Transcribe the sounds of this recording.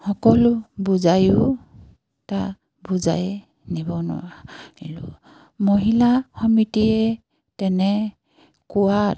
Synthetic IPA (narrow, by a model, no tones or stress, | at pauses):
hɔkɔlʊbuzajʊ | ta | buza̰j | nibɔnɔ̰ailṵ | moɦilaxɔmitiɛ | tɛnɛ | kuwa